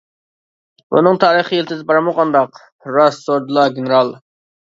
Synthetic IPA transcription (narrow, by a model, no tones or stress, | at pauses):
bṵnɨŋt̪ʰɑːɾəχiilt̪ʰɪzbɑɾɑmoʁɑnd̪ɑq | ɾɑsːoɾd̪ɨlˠɑɡʲenɪɾɑlˠ